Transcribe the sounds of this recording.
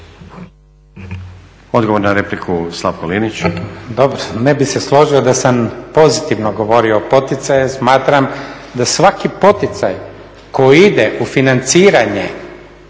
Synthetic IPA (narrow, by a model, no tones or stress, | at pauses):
od̪ɡo̞ʋoɾnaɾeplikʰuslˠaʋkolinit͡ɕd̪o̞bɾonebise̞slˠo̞ʒiod̪asampo̞zit̪iʋnoɡo̞ʋo̞ɾio̞po̞t̪it̪sajesmaːt̪ɾam | d̪asʋakipo̞t̪it̪saj | ko̞iid̪eʔufinant̪siːɾaɲe